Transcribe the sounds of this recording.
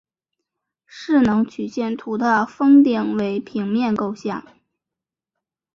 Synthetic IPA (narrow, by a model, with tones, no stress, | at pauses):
ʂɻ̩˥˩nɤ˧˥ŋt͡ɕʰy˨˩ɕjɛ˥˩nt̪ʰu˧˥t̪ʰa˥˩fɤ˥ŋt̪i˥˩ŋwe˧˥ɪpʰi˧˥ŋmjɛ˥˧nko˥˧ʊɕjɑ˥˩ŋ